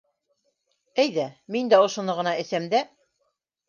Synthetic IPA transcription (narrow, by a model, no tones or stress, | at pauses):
æjðæmind̪æŏʃŏnɤʁɤ̆nɑɘ̆θæmd̪æ